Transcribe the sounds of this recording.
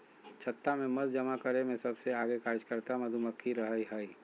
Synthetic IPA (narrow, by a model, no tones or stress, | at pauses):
t͡ʃʰət̪ːamẽmɐd̪d͡ʒəmakəɾemẽsɐbseaːɡekaːɾd͡ʒkəɾt̪amɐd̪ʱuməkʰːiɾɐɦəiɦəːi